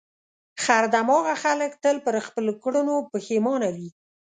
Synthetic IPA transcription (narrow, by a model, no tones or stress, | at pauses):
xaɾd̪amɑɣaxaləkt̪əlpəɾxpəlokɽʊnopəxemɑnawi